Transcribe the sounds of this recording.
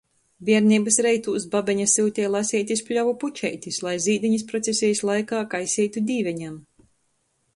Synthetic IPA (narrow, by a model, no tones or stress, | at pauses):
vʲiɛɾniːbɨsɾɛjt̪uːsbabʲɛɲasiwt̪ʲɛjlˠasʲiːt̪ʲispʲlʲavuput͡ʃɛ̰jt̪ʲislˠajziːd̪iɲispɾɔt̪sʲesʲijslˠajkaːkajsʲiːt̪ud̪ʲiːvʲɛɲam